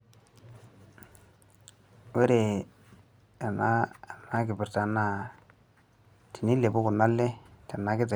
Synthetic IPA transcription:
we˦ɾe˨ | a˨na˦˨na˦kɪ˨bɪ˨ɾta˨˦na˦˨ | ti˨ni˦le˨bʊ˦kʊ˨na˦lːe˦ta˨na˨˦kɪ˦ta˨

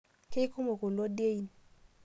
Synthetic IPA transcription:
ke˦ku˦mo˨ko˨lɔ˦dje˦i˨n

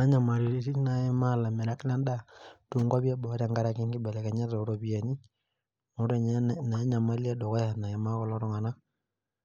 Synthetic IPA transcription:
na˦ɲa˨ma˨ɾi˨ɾi˦si˦na˨e˦ma˦˨la˨mɛ˨ɾa˦kla˦nda˦tu˨ŋɡwa˦βja˦bɔ˨˦ɾa˨ŋɡa˦ɾa˨ki˦ŋɡɪ˦bɛ˨lɛ˨ka˨ɲa˦tɔ˨˦ɾo˦pi˨a˨ni˦ | mo˨˦ɾe˨ɲ˦na˨˦ɲa˨ma˦li˦e˦dɔ˨kɔ˦ja˨na˨e˨ma˦kɔ˦lɔ˦ɾɔ˦ŋa˨na˦

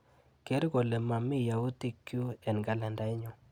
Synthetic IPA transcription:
ke˦ɾɡo˨le˨ma˨mi˦ja˨u˦t̪i˦kːju˦ɛ˨nɡa˦la˨nda˨ɪ˦ɲɔ˨

